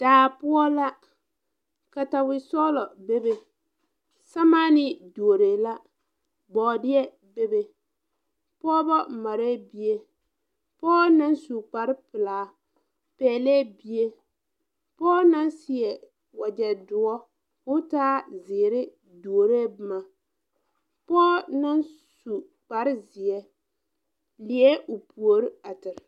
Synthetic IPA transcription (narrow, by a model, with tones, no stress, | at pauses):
d̥aː˨pʊ˦ɔ˦la˦ | ka˨ta˨wɪ˨sɔ˦lɔ˨be˦be˨ | sa˦ma˦nɪ˦du˨o˨ɾe˨la˦ | ɡ͡bɔː˨dɪ˦ɛ˦ | be˦be˨ | pɔː˦bɔ˦˨ma˨ɾe˦bi˦e˦ | pɔː˦na˦nsu˨k͡pa˨ɾɪ˦pɪ˨laː˨ | pɛː˨lɛ˦bi˦e˦ | pɔː˦na˦nsɪ˨ɛ˨ | wa˨d͡ʒɛ˨dʊ˨ɔ˦ | kʊ˦taː˦zɪ˨ɾɪ˦ | du˨o˨ɾe˦bɨ˦ma˨ | pɔː˦na˦nsu˨ | k͡pa˨ɾɪ˦zɪ˨ɛ˦ | lɪ˨ɛ˦ʔʊ˨pu˨o˨ɾɪ˦a˨tɪ˨ɾɪ˨